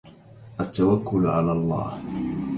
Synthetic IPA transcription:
ʔat̪ːawakːʊlʕa̰laːlˤːɑ̰ːh

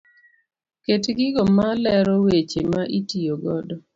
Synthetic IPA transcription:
ketɡɪɡɔmalɛɾɔwet͡ʃemaʔitijoɡɔdɔ

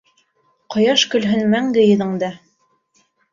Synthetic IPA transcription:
qɤ̆jɑʃkɵ̆lɦɵnmæŋɡ̪ɘ̆jɤ̆ðɤ̆ɴd̪ɤ

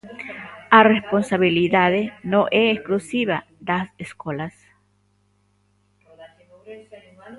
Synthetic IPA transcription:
aresponsaβiliðaðenoʔeːsklusiβa | d̪aseskolas

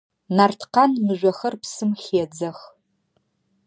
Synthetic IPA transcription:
nartʰqɑnmɨʒʷɔxɐrpsɨmxeːd͡zɐx

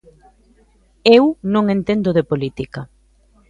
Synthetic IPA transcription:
ewnõŋẽnt̪end̪oðepolit̪ikɐ

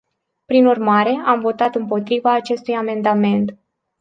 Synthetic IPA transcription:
pɾinurmaɾe̞amvo̞t̪at̪ɨmpo̞t̪ɾivaːt͡ʃe̞st̪ujame̞nd̪ame̞nt̪

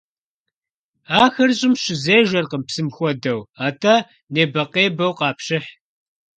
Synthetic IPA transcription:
aːxɐrɕʼɪmɕɪzeːʒʷɐrqəmpsɨmxʷɔdɐwaːtʰɐ | neːbɐqeːbɐwqɑːpɕɪħ

